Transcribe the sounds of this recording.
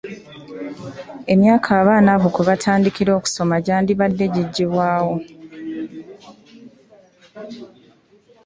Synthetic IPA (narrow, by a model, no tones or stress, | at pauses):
e̞mjaːkʰaːβaːnaβukweβatʰaːndikiɾo̞ːku̥so̞maɟaːndiβadːe̞ɟiɟːiβwaːwo